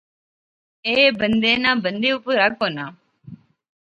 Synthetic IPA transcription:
eːbənd̪eːnaːbənd̪eːupuɾak̚onaː

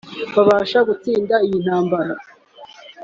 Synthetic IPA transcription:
βaβaːʃaɡut͡siːndaijin̥haːmbaɾa

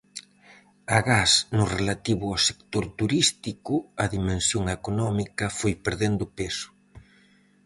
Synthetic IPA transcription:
ɐɣasnʊrelat̪iβʊawse̥kt̪oɾt̪uɾist̪ikʊɐðimẽnsjoŋekonɔmikɐfojpeɾðend̪ʊpesʊ̥

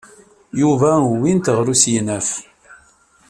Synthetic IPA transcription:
juvæwint̪əʁɾusjənæf

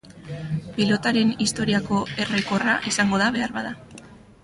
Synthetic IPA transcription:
pilo̞t̪aɾe̞nist̪o̞ɾiako̞e̞rejko̞raʔisaŋɡo̞ðaβe̞aɾβaða

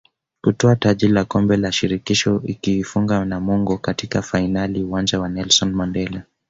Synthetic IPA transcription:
kutɔataʄiɾilakɔmbɛlaʃiɾikiʃɔikiːfuŋɡanamuŋɡɔkatikafainaliuwand͡ʒawanɛlsɔnmɔndɛla

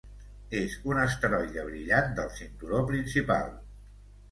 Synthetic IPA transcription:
ezunəst̪ɾɔjʎəβ̞ɾiʎat̪̚d̪əlˠsint̪uɾopɾinsipa̰lˠ

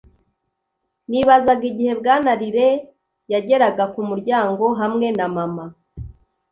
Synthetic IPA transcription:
niβazaɡiɟihe̞bɡaːnaɾiɾe̞ | jaɟe̞ɾaɡakumuɾɟaːŋɡo̞ɦamŋe̞namama

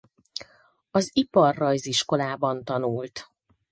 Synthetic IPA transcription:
ɒzipɒrːɒjziʃko̞laːbɒnt̪ɒnult̪

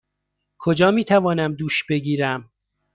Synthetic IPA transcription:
kʰod͡ʒɒːmiːt̪ʰævɒːnæmd̪uːʃb̥e̞ɡiːɾæm

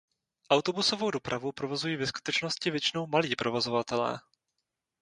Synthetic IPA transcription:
ʔawt̪o̞buso̞vo̞wdo̞pɾʔavupɾovo̞zujiːvɛsku̥t̪ɛt͡ʃno̞scɪvjɛt͡ʃɪno̞wmaliːpɾo̞vo̞zo̞vat̪ɛlɛ̰ː

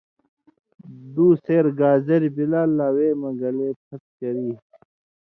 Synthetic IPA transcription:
d̪uːseːɾɡaːzɐɾibilaːlːaːweːmɐɡɐleːpʰɐt̪̚kɐɾiː

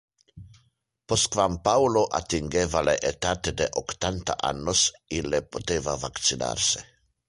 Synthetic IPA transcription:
poskvampawloʔa̰t̪iŋɡevaleʔet̪aːt̪ed̪eʔokt̪ant̪a̰ʔa̰nːosilepot̪eːvavakt̪sina̰ɾse

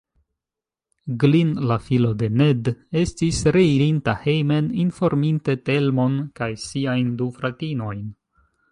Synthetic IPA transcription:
ɡlinlafilo̞de̞ne̞de̞stisɾe̞iɾintahe̞jme̞ninfo̞ɾminte̞te̞lmo̞nkajsiajndufɾatino̞jn

